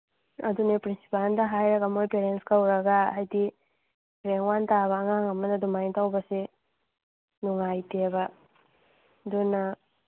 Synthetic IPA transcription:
ɐ̰d̪unepɾinsi̥palnd̪ɐɦajɾɐɡamojpeɾenskawɾɐɡaajd̪i | ɾeŋwant̪aβaŋaŋɐmanad̪umajnt̪awbɐse | nuŋajtieba | d̪unɐ

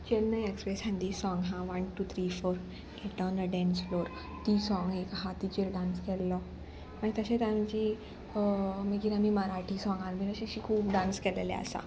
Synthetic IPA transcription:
t͡ɕelnəekspɾesɦɛ̃nd̪isɔ̃ŋɡɦãʋənʈut̪ʰɾifoɾ | keʈɖɔnəɖɛ̃nsfloɾ | t̪isɔ̃ŋɡekɦat̪it͡ɕelɖãnskɛlːɔ | maɡt̪əɕẽt̪amt͡ɕi | məɡiɾamiməɾaʈʰisɔ̃ŋɡaɾbinəɕiɕikʰuːpɖãnskɛlelḛa̰sa̰

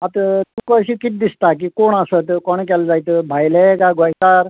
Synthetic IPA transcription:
at̪t̪ukɔsikit̪̚d̪ist̪ak̬ikoɳ̃asət̪kɔɳ̃k̬ɛld͡zajt̪bʱajlekaɡɔjsaɾ

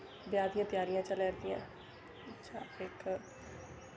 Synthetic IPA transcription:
bjaːd̪ijãt̪jaːɾijãt͡ʃəlɛːɾd̪ijã̰ | ɐtːʃʰaːeːk

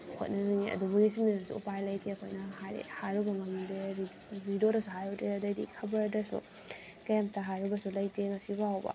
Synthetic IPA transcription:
ho̰t̚nɐzaŋiɐ̰dubuɡisimiɾɐsṵṵpajlɐjtʰeɐkʰo̰jnɐha̰hajɾubɐŋɐmdeɾ | ɾidodɐsuɦajɾutʰɾeɐdɐjdḭkʰɐbɐɾdɐsṵ | kɐjamptɐɦajɾubɐsulɐjteŋɐsibawbɐ̰

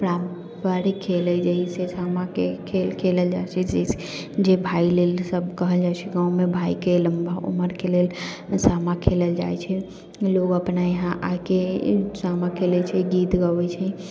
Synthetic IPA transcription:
pɾam | paɾikʰelɛd͡ʒəɦisesamakekʰelkʰeləld͡ʒat͡ʃʰɛd͡ʒəis | d͡ʒebʱailelsəb̚ʱkəɦəld͡ʒat͡ʃʰɛɡãumebʱaikeləmbʱaṵməɾkelel | samakʰeləld͡ʒa̰jt͡ʃʰɛ | loɡəpnajəɦãʔakesamakʰelɛt͡ʃʰɛɡit̪ɡəwɛt͡ʃʰɛ

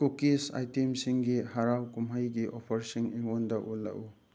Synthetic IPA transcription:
kukisa̰jtemsiŋɡihaɾawkumɦajɡiʔopʰɐɾsiŋeŋondɐʔulːa̰ʔu

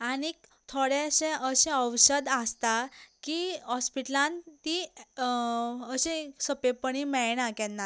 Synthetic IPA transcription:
anikt̪ʰoɽeɕẽʔəɕẽəwɕəd̪ast̪akiɦɔspiʈlãnt̪i | əɕẽsəpepəɳimɛɭñãkɛ̃nːa

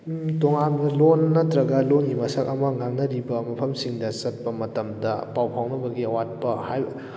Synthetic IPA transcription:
toŋanbɐlonːɐtɾɐɡɐlonɡimɐsɐkɐmɐŋaŋnɐɾibɐmɐpʰɐmsiŋdɐsɐt̚pɐmɐtɐmdɐpawpʰawnɐbɐɡiɐwat̚pɐhajbɐ

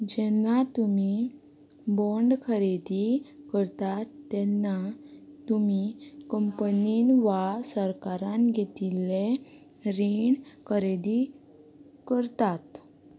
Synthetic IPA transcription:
d͡ʑɛnːat̪umi | bɔɳɖkʰəɾed̪ikəɾt̪at̪ːɛnːat̪umikəmpəninʋasəɾkaɾãnɡʱet̪ilːe | ɾiɳkʰəɾed̪i | kəɾt̪at̪

